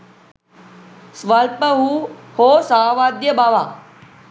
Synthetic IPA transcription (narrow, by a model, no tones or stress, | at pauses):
sʋəlpəɦuhoːsaʋaːd̪jəbaːʋaː